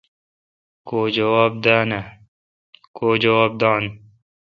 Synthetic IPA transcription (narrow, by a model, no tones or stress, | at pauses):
koːd͡ʒɐwaːb̚d̪aːna | kʰoːd͡ʒɐwaːb̚d̪ɑːn